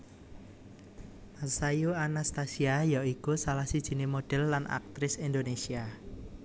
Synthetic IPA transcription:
masajuanast̪asiajaʔikusalahsid̥ʒ̥i̤nemoɖ̥ɛ̤lːanʔa̰k̚t̪ɾɪsind̪onesia

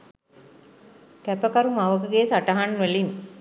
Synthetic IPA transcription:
kæpɐkɐɾumaʋɐkɯɡeːsaʈɐɦanʋelin

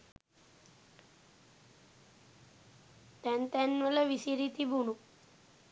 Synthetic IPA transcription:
t̪ɛnt̪ɛnːʋələʋisiɾit̪ibʱuɳu

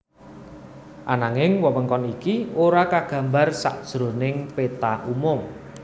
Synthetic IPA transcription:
ʔanaŋɪŋwɔməŋkɔnikioɾakaɡ̥ä̤mbarsa̰ʔd̥ʒ̥ɾo̤nɪŋpet̪aʔumʊm

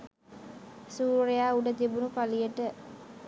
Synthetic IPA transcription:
suːrejaːuɖət̪ibunupalijəʈə

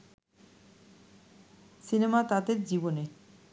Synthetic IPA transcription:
sinemat̪ad̪eɾd͡ʑibone

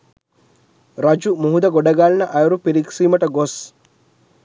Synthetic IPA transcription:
ɾɐd͡ʒumuɦud̪ɐɡoɖɐɡaːlnɐʔɐjuɾupiɾiksiːmɐʈɐɡos

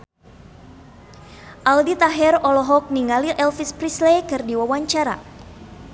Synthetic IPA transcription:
ʔaldit̪aɦɛrɔlɔɦɔk̚niŋaliʔɛlfispɾislekɨrdiwawaɲt͡ʃaɾa̰

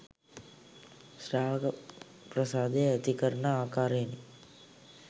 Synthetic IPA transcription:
ʃɾaːʋk | pɾɐsaːd̪ejɐt̪ikəɾɳaaːkaːɾeːni

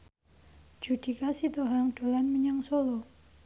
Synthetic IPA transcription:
d͡ʒ̥ud̥i̤kasit̪oɦaŋɖ̥o̤lanməɲaŋsolo

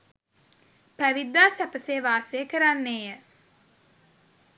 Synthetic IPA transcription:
pæʋid̪ːaːsæpəseːʋaːseːkəɾanːeːjə

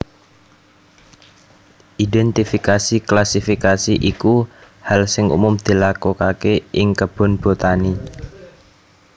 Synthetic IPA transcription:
ʔidɛnt̪ifikasiklasifikasiʔiku | halsɪŋṵmʊmd̪̥i̤lakokakeʔɪŋkəb̥ɔ̤nb̥o̤t̪ani

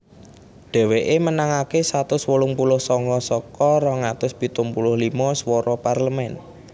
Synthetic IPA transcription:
ɖ̥ɛ̤weʔemənaŋakesat̪ʊswulʊŋpulʊhsɔŋkɔsɔkɔɾɔŋat̪ʊsbit̪ʊŋpulʊhlimɔswɔɾɔparləmɛn

